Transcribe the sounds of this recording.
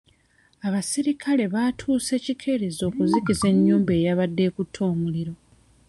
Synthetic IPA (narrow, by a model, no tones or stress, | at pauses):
aβasiɾikʰale̞βaːtʰuːse̞ːcikʰe̞ɾizo̞ːkuzikize̞ɲːuːmbe̞ːjaβadːe̞ːkutʰːo̞ːmuliɾo̞